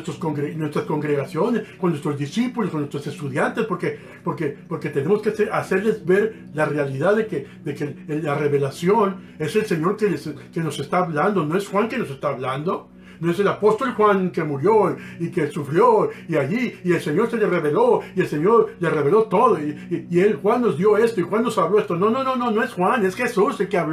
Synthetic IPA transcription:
est̪ɾoskoŋɡɾenwe̞st̪ɾasko̞ŋɡɾe̞ɣasjo̞ne̞skonːwest̪ɾo̞zðisipuloskonwet̪ɾo̞se̞st̪uðjant̪e̞spoɾke̞ | po̞ɾke̞po̞ɾke̞t̪e̞ne̞mo̞skesease̞ɾle̞zβe̞ɾ | lare̞aliðaððeke | ðekelare̞βe̞lasjon | e̞selse̞ɲo̞ɾkeleske̞no̞se̞st̪aːβland̪ono̞e̞sxwaŋke̞no̞se̞st̪aːβland̪o̞ | noe̞s̬elapo̞st̪o̞lxwaŋke̞muɾjo̞iikesufɾjo̞iaʝiːe̞lse̞ɲo̞ɾse̞lere̞βe̞lo̞ie̞lse̞ɲo̞ɾlere̞βe̞lo̞t̪o̞ðoiielxwanːo̞zd̪jo̞e̞st̪o̞ixwanːo̞saβlo̞e̞st̪o̞no̞no̞no̞no̞no̞e̞sxwane̞sxe̞suselkeaβ

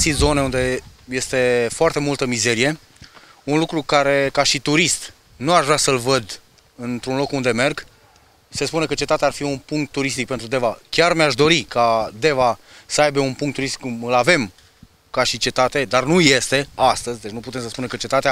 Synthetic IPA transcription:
sit̪zo̞neund̪e̞je̞st̪e̞foart̪e̞mult̪əmize̞ɾije̞ | unlukɾukaɾe̞kaʃit̪uɾist̪ | nuaʒvɾasəlvəd̪ | ɨnt̪ɾunlo̞kund̪e̞me̞rɡ | se̞spunekət͡ʃe̞t̪at̪eaːrfiunpuŋk̚t̪ːuɾist̪ik̚pent̪ɾud̪e̞vakʲarmeaʃd̪o̞ɾikad̪e̞va | səajbe̞unpuŋkt̪ːuɾist̪ikumɨlave̞m | kaʃit͡ʃe̞t̪at̪e̞d̪arnujest̪e̞ast̪əzʲd̪e̞t͡ʃnuput̪e̞msəspunekət͡ʃe̞t̪at̪ea

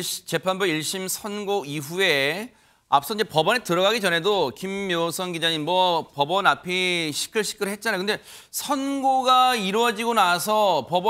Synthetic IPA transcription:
t͡ɕe̞pʰanbuiɭɕ͈imsʰʌnɡoiɸue̞ | a̰pʰs͈ʌiɲd͡ʑepʌbʌnetɯɾʌɡaɡit͡ɕʌnɦe̞dokimːjosʰʌnɡid͡ʑaɲinmwʌpʌbʌnapʰiɕʰi̥kʰɯɭɕʰi̥k͈ʰɯɾɯɭɦet̚t͡ɕ͈anajokɯnde̞sʰʌnɡoɡaiɾwʌd͡ʑiɡonasʰʌpʌbʌ

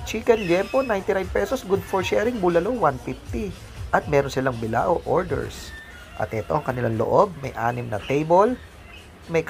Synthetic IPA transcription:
t͡ʃiːkɛnljɛmponajnt̪ɪnajd̪pɛsosɡud̪foɹʃɛɾɪŋbulɐlowwanfift̪i | ʔɐt̪̚mɛːɾonsɪlaŋbɪla̰ʔoʔoɹd̪ɛ̰ɹs | ʔɐ̰t̪ʔɛt̪o̞ʔɐŋkɐnɪlaŋlo̰ʔob̚mɐjʔa̰ːnɪmnɐ̰t̪ejbol | mɐjk

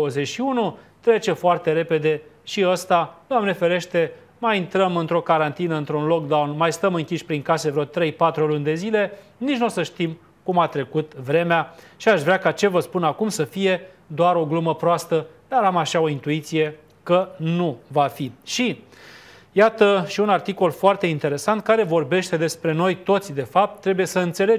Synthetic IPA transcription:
owəze̞t͡ʃʃiunut̪ɾe̞t͡ʃe̞foart̪e̞ɾe̞pe̞d̪e̞ʃiəst̪ad̪uamnefeɾe̞ʃt̪e̞ | majint̪ɾəmɨnt̪ɾo̞kaɾant̪inəɨnt̪ɾunlo̞k̚d̪awnmajst̪əmɨŋkʲiʃʲpɾiŋkasevɾeot̪ɾe̞jpat̪ɾulund̪e̞zile̞ | nit͡ʃnusəʃt̪im | kumat̪ɾe̞kut̪vɾe̞mea | ʃiaʃvɾakat͡ʃe̞vəspunakumsəfije̞ | d̪oaɾo̞ɡluməpɾoast̪əd̪aɾamaʃao̞int̪uit̪sije̞ | kənuvafiʃi | jat̪əʃiunart̪iko̞lfoart̪e̞int̪eɾe̞sant̪̚kaɾe̞vo̞rbe̞ʃt̪e̞d̪e̞spɾe̞no̞jt̪o̞t̪sʲd̪e̞fap̚t̪ːɾe̞buje̞səɨnt̪se̞le̞

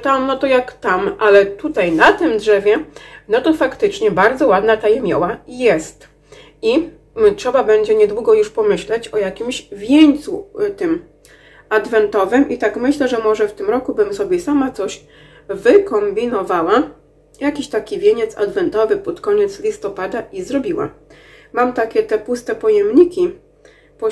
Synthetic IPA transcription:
t̪amnɔt̪ɔjakt̪amʔalɛt̪ut̪ajnat̪ɘmdʐɛvʲjɛnɔt̪ɔfakt̪ɘt͡ʂɲɛbaɾd̪zɔwad̪nat̪ajɛmʲjɔ̰wajɛst̪ | i | tʂɛbabɛɲd͡ʑɛɲɛd̪wuɡɔjuʂpɔmɘɕlɛt͡ɕɔjakʲimɕvʲjeɲt̪sut̪ɘm | ad̪vɛnt̪ɔvɘmʔit̪akmɘɕlɛʐɛmɔʐɛft̪ɘmɾɔkubɘmsɔbʲjɛsamat̪sɔɕ | vɘkɔmbʲinɔvawa | jakʲiɕt̪akʲivʲjeɲɛt̪sa̰d̪vɛnt̪ɔvɘpɔt̪kɔɲɛt̪slʲist̪ɔpad̪aʔizɾɔbʲiwa̰ | mamt̪akʲɛt̪ɛpust̪ɛpɔjɛmɲikʲi | pɔ

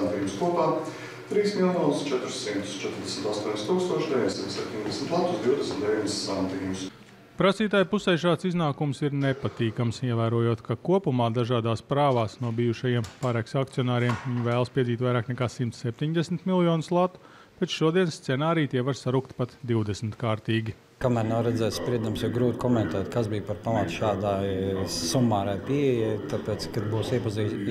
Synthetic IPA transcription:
t̪iːbʊskuɔpaː | t̪ɾiːsmilˠjɔːnst͡ʃɛt̪ɾʊsːimt̪ʊ̥st͡ʃɛt̪ɾd̪esmʲt̪ast̪uɔnʲst̪uːkst̪uɔʃd̪ʲeviɲʲsmt̪sɛp̚ʲt̪ʲiɲʲd̪ɛsmʲt̪lˠat̪ʊ̥sd̪iwd̪esmʲt̪d̪eviɲd̪ssant̪iːbʊs | pɾasiːt̪aːjpusɛjʃaːt̪siznaːkumsiɾnepat̪iːkamsiɛvæːɾuɔjoɔt̪kʰakuɔpumaːd̪aʒaːd̪aːspɾaːʋaːsnuɔbijuʃajiɛmpaːɾɛksak̚t̪sijɔnaːɾiɛmɲvæːlˠspiɛziːt̪ʲvajɾaːknɛkaːsimt̪ssɛp̚ʲt̪ʲiɲd̪esmt̪milˠjɔːnslˠat̪u̥ | b̥ɛt̪ʃuɔd̪iɛnst̪sɛnaːɾijt̪iɛʋaɾsaɾukt̪pat̪d̪iwd̪esmɪt̪kaːɾt̪iːɡʲi | kamæːɾnɛɾɛd̪zɛːt̪spɾiɛd̪amsjɛɡɾuːt̪kɔmɛ̃nt̪ɛːt̪kasbijpaɾpamɐt̪ʃaːd̪aːjsumːɑːɾajpiɛjɛjt̪apɛːt̪skad̪buːsiɛpɐziː

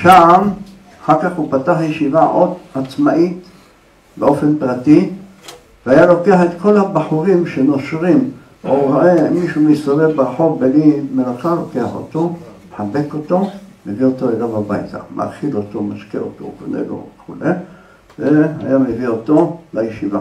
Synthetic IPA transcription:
ʃam | aħakaχupataħjeʃivaʔod̪at͡smaʔit̪ | beo̞fe̞npʁati | veajalo̞keaħet̪kʰo̞lhabaħuʁimʃeno̞ʃʁim | aemiʃumisavevbaʁħo̞belimelaχalo̞ke̞aħo̰t̪omeħabe̞ko̞t̪o̞meviot̪oelamaba̰jta̰mʔa̰ʁχilotomaʃkḛo̰t̪o̰kanḛlo̰eχule | veha̰jameviot̪o̞lajeʃiva

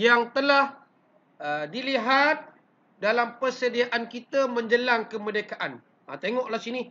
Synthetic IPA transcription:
jaŋt̪əlah | ədiliɦat̪̚ | dalampərsədiaʔankit̪amə̃ɲd͡ʒəlaŋkəmə̃dekaʔan | ə̰t̪eŋɔʔlahsinĩ

